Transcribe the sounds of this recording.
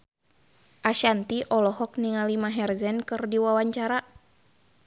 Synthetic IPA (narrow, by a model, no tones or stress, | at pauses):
ʔaʃant̪iʔɔlɔɦɔk̚niŋalimaɦɛrzɛnkɨrdiwawaɲt͡ʃaɾa